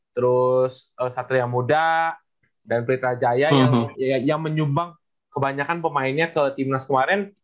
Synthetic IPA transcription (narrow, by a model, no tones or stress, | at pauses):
t̪əɾʊsəsat̪ɾijaŋmuda | danpɾit̪ad͡ʒajajaŋjaŋməɲumbaŋ | kəbaɲakanpəmaɪnɲakət̪imnaskəmaɾɛn